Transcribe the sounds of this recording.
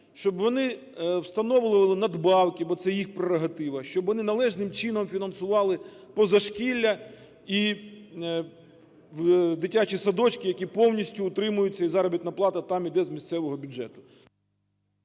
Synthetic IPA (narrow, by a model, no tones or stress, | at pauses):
ʃt͡ʃɔbʋɔnɪ | wst̪ɐnɔʋlˠɪʋɐlˠɪnɐd̪bɑwkʲibɔt̪sɛjixpɾeɾɔɦɐt̪ɪʋɐʃt͡ʃɔbʋɔnɪnɐlˠɛʒnɪmt͡ʃinɔmfʲinɐnsʊʋɑlˠɪpɔzɐʃkʲilʲːɐ | i | d̪ɪtʲat͡ʃisɐd̪ɔt͡ʃkɪjɐkʲipɔwnʲisʲtʲʊːt̪ɾɪmʊjʊt͡sʲːɐizɑɾɔbʲit̪nɐplˠɑt̪ɐt̪ɑmid̪ɛzmʲisʲt̪sɛʋɔɦɔbʲʊdd͡ʒɛ̰t̪ʊ̥